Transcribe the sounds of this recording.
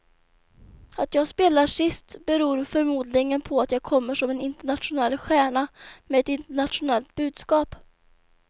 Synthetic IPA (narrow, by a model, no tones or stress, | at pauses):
at̪jɑːɡspeːlaʂɪst̪bɛɾuːɾfœɾmuːd̪lɪŋənpʰɔat̪jɑːɡkʰɔmːəʂɔmɛnɪnt̪əɳat̪ɧʊnɛlːɧæːɳamɛɛt̪ɪnt̪əɳat̪ɧʊnɛlt̪̚bʉ̟ːd̪skɑːp